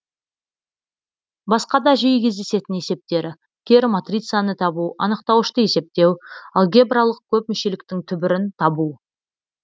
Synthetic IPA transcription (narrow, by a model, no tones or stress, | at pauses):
bɑsqɑd̪ɑʒijkʲʰezd̪e̞se̞t̪ɪne̞se̞p̚t̪e̞ɾɪ | kʲʰe̞ɾmat̪rʲit̪sɨjanət̪ʰɑbuɑ̰nəqt̪ɑwəʃt̪əje̞se̞p̚t̪e̞wɑlˠɡʲe̞bralˠəq̚kʲʰɵp̚mʏʃe̞lɪkt̪ɪŋt̪ʰʏbɪɾɪnt̪ʰɑbu